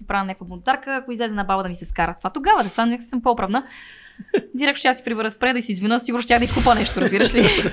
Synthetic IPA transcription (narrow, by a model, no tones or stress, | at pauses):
sipɾavnnʲakvəbont̪aɾkəːkoizlɛzɛnɐbabəd̪ɐmisɛskaɾət̪ovat̪oɡavəd̪ɛsamnʲɛksəmpoopɾəvnə | d̪iɾɛk̪̚oʃɛjasi̥pɾivəɾəspɾɛd̪ɐisiːzvinəsiɡuɾnost̪ʲjaxd̪ɐixkupənɛʃt̪oɾɐzbiɾəʃli